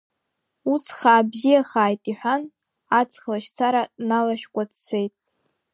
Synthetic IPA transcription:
ut͡sʰχaːbzijaχaːjtʼiħʷᶣan | at͡sʰʼχlaʃt͡sʰaɾanalaʃᶣkʷʼat͡st͡sʰe̞jtʼ

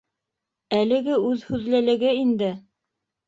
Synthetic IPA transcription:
ælɘ̆ɡɘʉðhʉðlælɘ̆ɡɘind̪ɘ

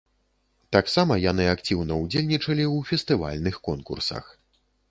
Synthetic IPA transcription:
t̪aksamɐjanɨakt͡sʲiwnɐud͡zʲelʲnʲit͡ʂɐlʲiwfʲɛst̪ɨva̰lʲnɨxkɔnkṵrsɐ̰x

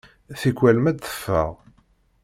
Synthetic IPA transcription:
θikʷwælmæd̪θə̥fːə̰ʁ

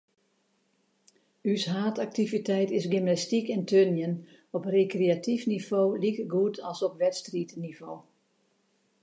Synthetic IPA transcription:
ysɦaːtak̚tivitʰɛjtɪsɡymnastikɛntʰønjən | ɔprekreatʰifniv̥oːlikəɡuːtʰɔlˠsɔpʋɛtstritniv̥oː

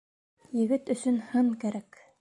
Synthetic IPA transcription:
jɘ̆ɡɘt̪ɵ̆sɵnhɤɴkæɾæk

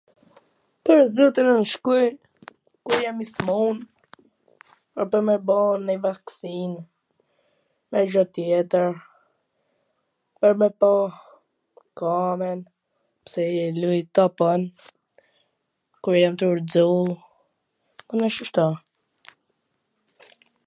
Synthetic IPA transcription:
pəɾzut̪ənənʃkuj | kuɾjamismun | pəɾpəɾmɛbɔnəvaksin | mɛd͡ʒɔt̪jɛt̪əɾ | pəɾmɛpɔ | kamɛn | psɛɛlujt̪ɔpɔn | kuɾjamt̪əuɾd͡zu | ɔnəʃəʃt̪a

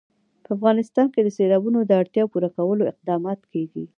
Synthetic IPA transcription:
pəafɣɑnɪst̪ɑnked̪əselɑbunod̪əaɽt̪jɑpuɾakawəloɪq̚d̪ɑmɑt̪keɡi

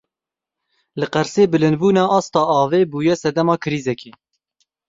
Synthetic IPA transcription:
lɨqæɾseːbɨlɨnd̪̚buːnɑːʔɑːst̪ɑːɑːveːbuːjɛsɛd̪ɛmɑːkʰɨɾiːzɛkeː

